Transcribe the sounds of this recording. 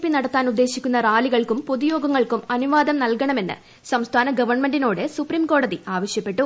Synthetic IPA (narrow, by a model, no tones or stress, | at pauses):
pːinɐɽɐt̪ːaːnud̪ːe̞ːɕikʲːunːɐraːliɣɐɭkumpoðujo̞ːɡɐŋːɐɭkumɐnuʋaːd̪ɐmnɐlkɐɳɐme̞nːɨ̰ | sɐmst̪ʰaːnɐɡɐʋɐrɳme̞nɖino̞ːɽesupriːmko̞ːɽɐðiaːʋɐɕjɐpːe̞ʈːu